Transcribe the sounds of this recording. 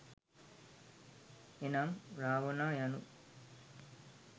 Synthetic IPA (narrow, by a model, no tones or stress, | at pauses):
enamɾaːʋonaːjanu